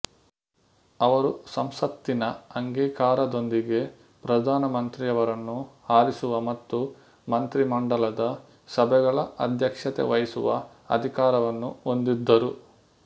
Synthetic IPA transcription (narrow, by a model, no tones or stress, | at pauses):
ɐʋɐɾusɐmsɐt̪ːinɐɐŋɡiːkaːɾɐd̪o̞nd̪iɡe̞ | pɾɐd̪ʱaːnɐmɐnt̪ɾijɐʋɐɾɐnːuaːɾisuʋɐmɐt̪ːu | mɐnt̪ɾimɐɳɖɐlɐd̪ɐ | sɐbʱɛɡɐɭɐɐd̪ʱjɐkʂɐt̪ḛʋɐjisuʋɐ̰ | ɐ̰d̪ʱikaːɾɐʋɐnːuond̪id̪ːɐɾu